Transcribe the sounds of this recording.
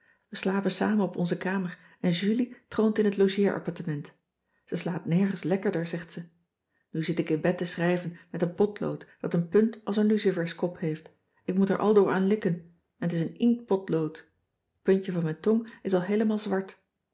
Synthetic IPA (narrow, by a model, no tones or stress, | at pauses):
ʋəslaːpənsa̰ːmənɔpɔnzəkaːməɹ | ɛnʒylitrowntɪnɦətlowʒɪːɹʔɑ̰pɑɹtəmɛnt | z̥əslaːpnɛɹχənslɛkəɹdəɹzɛχtsə | nyzɪtɪkɪnbɛtəsrɛjvənmɛtənpɔtlo̰wtd̥ɑtənpɵntɑlˠsənlysivɛɹskɔphejft | ɪk̚mutɛ̰ɹʔɑ̰lˠdʊːɹaːnlɪkən | ɛnətɪs̬ənɪŋkpɔtlowt | pɵnəvɑnmɛjntɔŋɪsɑlˠɦejləmaːlˠzʋɑɹt